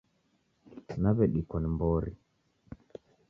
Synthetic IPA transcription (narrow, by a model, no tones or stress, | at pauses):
naβɛɗikɔnmbɔɾḭ